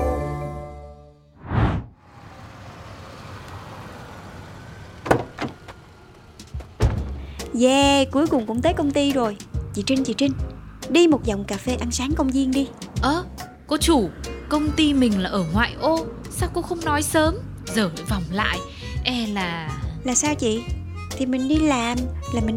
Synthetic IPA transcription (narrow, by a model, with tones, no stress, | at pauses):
zɛ˧˩ku˨˦əjkʊ˨˩ŋ͡mkʊ̰˧˥ŋ͡mt̪əː˨˦jkə˧wŋ͡mt̪i˧zo˨˩jt͡ɕi˧˩t͡ɕï˧ŋ̟t͡ɕi˧˩t͡ɕï˧ŋ̟ɗi˧mo˨˩t̚za˨˩wŋ͡mkaː˨˩fe˧ʔa˧nsaː˨˦ŋkə˧wŋ͡mzi˧əŋɗi˧ʔəː˧˩ | kɔ˨˦t͡ɕu˧˩kə˧wŋ͡mt̪i˧mï˨˩ŋ̟laː˨˩ʔəː˧˩ŋwa̰ː˧˨jʔo˧ | saː˦wkɔ̰˨˦xə˧wŋ͡mnɔ˨˦jsəː˨˦mzəː˧˩˨va˨˩wŋ͡mla̰ː˧˨j | ʔɛ˧laː˨˩laː˨˩saː˧wt͡ɕḭ˧˨ | t̪ʰi˨˩mï˨˩ŋ̟ɗi˧laː˨˩mlaː˨˩mï˨˩ŋ